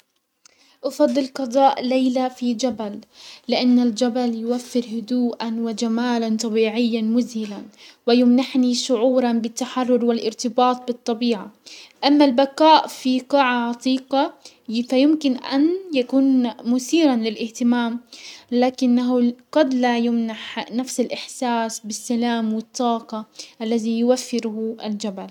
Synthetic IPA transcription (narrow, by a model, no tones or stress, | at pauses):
ʔɑfɑd̪ˤːɨlqɑd̪ˤɑːʔlejlafid͡ʒabalːɪʔanːald͡ʒabaljʊwafːɪɾhʊd̪uːʔanwɪd͡ʒamaːlant̪ˤɑbiːʕɪjːamʊzhɪlanwɪjʊmnaħniʃʊʕuːɾˤɑnbɪt̪ːaħɑrˤːʊɾwɪlʔɪɾt̪ɪbɑːt̪̚ˤbɨt̪ˤːɑbiːʕaʔamːalbakaːʔfiqɑʕaʕɑt̪ˤiːqɑ | fajʊmkɪnʔa̰njakuːnmʊθiːɾanlɪlʔɪht̪ɪmaːmlaːkɪnːaɦʊɡɑd̪lajʊmnaħnafsɪlʔɪħsaːsbɪsːalaːmwɪt̪ˤːɑːqɑʔalːaðijʊwafːɪɾhʊald͡ʒabal